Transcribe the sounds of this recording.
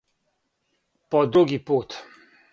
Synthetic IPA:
pɔd̪ɾuɡipot̪

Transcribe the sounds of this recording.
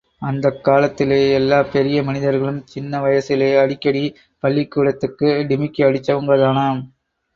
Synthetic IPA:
ɐnd̪ɐkːaːlɐt̪ːɪleːɛlːaːpɛɾɪjɐmɐnɪðɐɾɣɐɭɯmt͡ʃɪnːɐʋɐjɐsɪleːɐɽɪkːɐɽi | pɐɭːikːuːɽɐt̪ːɯkːɯɖɪmɪkːɯɐɽɪt͡ʃːɐʋɐŋɡɐðaːnaːm

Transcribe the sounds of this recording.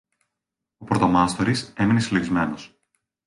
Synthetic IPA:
opɾot̪o̞mɐst̪oɾise̞minesileɣizme̞nos

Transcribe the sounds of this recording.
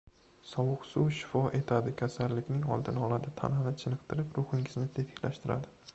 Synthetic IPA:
sɒwʊqsʊwʃɪ̥fɒʔe̞t̪ʰad̪ɪkʲʰasaɾlːɪkʲnɪŋɒ̰lˠd̪ɪnɒlˠad̪at̪ʰa̰nhɪnɪt͡ʃʰɪnɨqt̪ʰɪɾɪpɾʊχɪŋɪznɪt̪ʰet̪ʰɪ̥kʲlʔaʃt̪ɪɾa̰d̪ɪ

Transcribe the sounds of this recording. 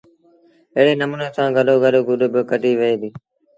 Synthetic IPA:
ɪɦɽeːnəmuːneːsãːɡəloːɡəloːɡʊɗʊbɪkəɖʱiːʋəeːd̪iː

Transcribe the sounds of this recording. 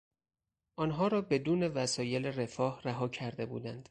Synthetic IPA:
ʔɒːnɦɒːɾɒːbe̞d̪uːne̞væsɒːje̞lere̞fɒːhræɦɒːcʰæɾd̪e̞bṵːd̪ænd̪̥

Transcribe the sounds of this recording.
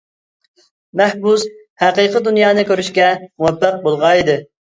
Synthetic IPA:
mæhbus | hæqiːqəd̪unjɑːnɨkʲøɾyʃkʲɛmuwɛpːæq̚bolˠʁɑid̪ɨ

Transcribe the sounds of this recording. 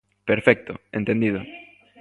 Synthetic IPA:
peɾfɛk̚t̪ʊ̰ḛ̃nt̪ẽnd̪iðʊ

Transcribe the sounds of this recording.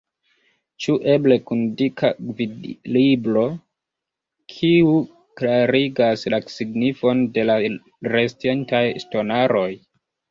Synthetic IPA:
t͡ʃuʔe̞ble̞kundikavilibɾo̞ | kʰiu | klaɾiɡaslasiɡnifo̞nde̞la | ɾestientajsto̞naɾo̞j

